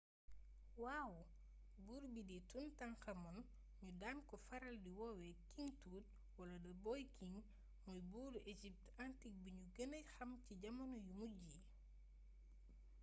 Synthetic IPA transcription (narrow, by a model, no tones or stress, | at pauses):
waːw | buːɾbidituntɐŋxɐmɔn | ɲudaːnkɔfɐɾɐldiwɔwɛkiŋtuːt̚ | wɐlɐdɐbɔjkʰiŋ | mɔjbuːɾed͡ʒip̚tantik̚biɲuɡənəxɐmciɟɐmɐnujumuɟiː